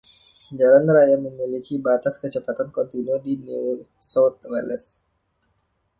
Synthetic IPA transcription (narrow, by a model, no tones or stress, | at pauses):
d͡ʒalanrajaməmilikibat̪askət͡ʃəpat̪ankɔnt̪inudinu | sɔwt̪̚wɛləs